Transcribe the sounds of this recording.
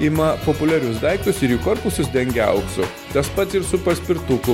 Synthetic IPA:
ɪmɐpopʊlʲæɾʲʊsd̪ɐɪkt̪ʊsɪɾjikoɾpʊsʲʊsd̪ʲɛŋʲɡʲɛ̰ʊksʊ | t̪ɐspɐt̪sɪɾsʊpɐsʲpʲɪɾt̪ʊkʊ

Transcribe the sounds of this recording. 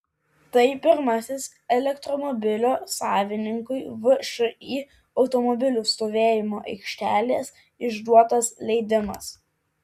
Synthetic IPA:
t̪ɐɪpʲɪɾmɐsʲɪs | ɛlʲɛkt̪ɾɔmɔbʲɪlʲoːsɑːʋʲɪnʲɪŋkʊɪʋʊʃʊiː | ɒʊt̪ɔmɔbʲɪlʲʊst̪oːʋʲeːjɪmoːʔɛɪkʃʲt̪ʲæːlʲeːs | ɪʒd̪uɔt̪oːslʲɛɪd̪ʲɪmɐ̰s

